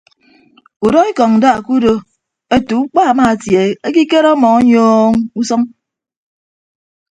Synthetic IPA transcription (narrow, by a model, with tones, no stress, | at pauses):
u˨dɔ˦i˦kɔ˨ŋn̩˨da˦˨ku˦do˦ | e˦tu˨u˦k͡pa˦a˨ma˦˨a˨tje˨e˦k̬i˦ke˦ɾɔ˦mɔ˨ŋ˦ɲoː˦ŋ˦u˦sɔ˦ŋ